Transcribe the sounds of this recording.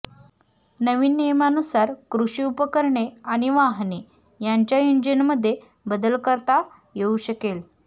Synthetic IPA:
nəʋiːnːijmanusaɾkɾuɕiːupəkəɾɳeaɽ̃iʋaɦne | jaɲt͡ɕjajuɲd͡ʑənməd̪ʱːje | bəd̪əlkəɾt̪a | jeuɕəkel

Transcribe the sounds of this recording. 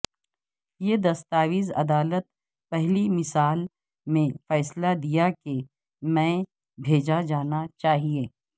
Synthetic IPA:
jed̪ɐst̪aːwizɐ̰d̪aːlət̪̚ | pɛɦlimɪsaːl | mẽfɛːslad̪ijake | mɛ̃ | bʱeːd͡ʒad͡ʒaːnat͡ʃaːɦieː

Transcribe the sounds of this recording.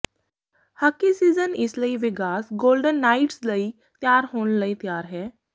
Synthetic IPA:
həkisiːd͡zənisləiʋiɡaːsɡolɖənːaiʈsləi | t̪jaːɾɦoɳləit̪jaːɾɦɛ

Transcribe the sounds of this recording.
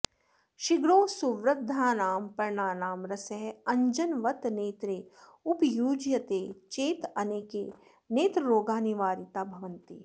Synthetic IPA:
ʃiɡɾoːsuʋɾɐɡ̚d̪ʱːaːnaːmpɐɾɳaːnaːmɾɐsɐɦɐ̃ɲd͡ʒɐnʋɐt̪neːt̪ɾeːupjuːd͡ʒjɐt̪eːt͡ʃeːt̪ɐneːkeː | neːt̪ɾɐɾoːɡaːniʋaːɾit̪aːbʱɐʋɐ̃nt̪i

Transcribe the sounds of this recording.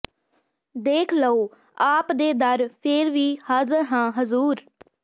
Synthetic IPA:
d̪eːkʰləoː | aːpd̪eːd̪əɾpʰeɾʋiːhəzɾɦãːɦəzuːɾ

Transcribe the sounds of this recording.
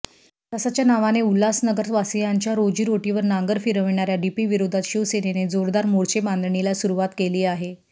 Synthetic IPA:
t̪əsat͡ɕjanaʋaneulːasnəɡəɾsʋasijaɲt͡ɕjaɾod͡ʑiːɾoʈiʋəɾnaŋɡəɾfiɾəʋiɳaɾjaɖipiʋiɾod̪ʱat̪ɕiʋsenened͡zoɾd̪aɾmoɽt͡ɕeband̪ɳilasuɾuʋat̪keliːaɦe

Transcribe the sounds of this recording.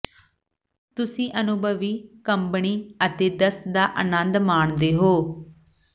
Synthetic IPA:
t̪ʊsĩːʔənʊbʱəʋiːkəmpɳiːət̪eːd̪əsd̪aːʔənə̃nd̪maːɳd̪eːɦoː

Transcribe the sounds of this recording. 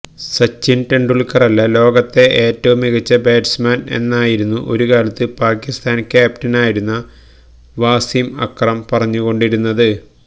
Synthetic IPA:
sɐt͡ɕːinʈeɳɖuɭkɐrɐlːɐlo̞ːɡɐt̪ːe̞ʔeːtːɐʋumiɣɐt͡ɕːɐbe̞ːɖsmaːne̞̰nːaːjiɾunːuʔo̞̰ɾukaːlɐt̪ːɨpaːkist̪ʰaːnkʲːaːpʈinaːjiɾunːɐ | ʋaːsimɐ̰krɐmpɐrɐɲːuɣo̞ɳɖiɾunːɐðɨ

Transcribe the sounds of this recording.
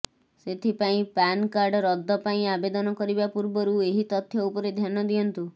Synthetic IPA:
set̪ʰipaĩpankaɾɖɔɾɔd̪ʱːɔpaĩabed̪ɔnɔkɔɾibapuɾbɔɾueɦit̪ɔt̪ʰːjɔupɔɾed̪ʱjanɔd̪iɔnt̪u

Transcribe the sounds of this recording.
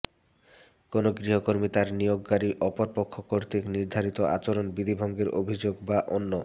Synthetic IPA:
konoɡɾiɦokoɾmit̪aɾnijoɡːaɾiʔɔpoɾpokʰːokoɾt̪ikniɾd̪ʱaɾit̪oʔa̰t͡ɕoɾonbid̪ʱibʱɔŋɡeɾʔo̰bʱid͡ʑoɡbaʔonːo

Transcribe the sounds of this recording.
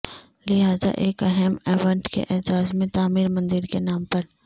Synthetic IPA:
lɪɦaːza̰ʔeːkɛɦɛmɛʋə̃ɳʈkḛʔɪɦzaːzmẽt̪aːmiːɾmɐ̃nd̪ɪɾkenaːmpɐɾ

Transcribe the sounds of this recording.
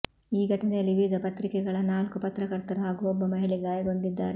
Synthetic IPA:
iːɡʱɐʈɐnɛjɐlːiʋid̪ʱɐpɐt̪ɾikɛɡɐɭɐnaːlkupɐt̪ɾɐkɐɾt̪ɐɾɐɦaːɡuɔbːɐmɐɦiɭiɡaːjɐɡo̞ɳɖid̪ːa̰ːɾe

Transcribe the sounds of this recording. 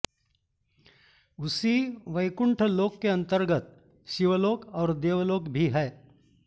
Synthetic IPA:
ʊsiʋɐɪkʊ̃ɳʈʰloːkːeɐ̃nt̪əɾɡət̪̚ | ʃɪʋloːkɔːɾd̪eːʋloːkbʱiɦɛː

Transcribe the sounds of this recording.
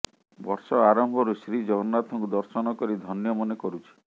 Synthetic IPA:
bɔɾsɔaɾɔmbʱɔɾusɾid͡ʒɔɡɔɔnat̪ʰɔŋkud̪ɔɾsɔnɔkɔɾid̪ʱɔnjɔmɔnekɔɾut͡ʃʰi̥

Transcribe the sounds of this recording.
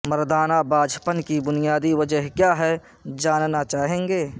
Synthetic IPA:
məɾd̪aːnabaːd͡ʒʱpənkibʊnijaːd̪iʋəd͡ʒəɦkjaːɦɛ | d͡ʒaːnnat͡ʃaːɦẽːŋɡeː

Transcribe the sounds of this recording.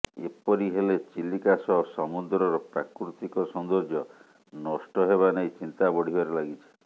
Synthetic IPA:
ḛpɔɾiɦelet͡ʃilikasɔɦsɔmud̪ɾɔɾɔpɾakɾut̪ikɔsɔnd̪ɔɾd͡ʒjɔ | nɔsʈɔɦeβanejt͡ʃint̪abɔɽ̤ʱibaɾelaɡit͡ʃʰi̥

